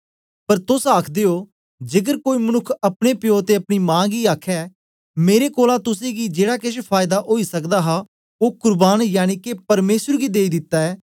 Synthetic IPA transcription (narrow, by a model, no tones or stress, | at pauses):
pəɾt̪ʊsaːkʰd̪eːoː | d͡ʒɪɡəɾkoːiːmənʊkʰːɐpɽepɪjoːt̪eɐpɽ̃iːmãːɡiaːkʰːɛː | meːɾekoːlat̪ʊs̬ẽɡid͡ʒeːɽaːkɪʃpʰaːɪd̪aʔoːisəkd̪aːɦaː | oːkʊɾbaːnjaːñikepɐɾmeːsəɾɡiːd̪eːid̪ɪt̪ːaːɛː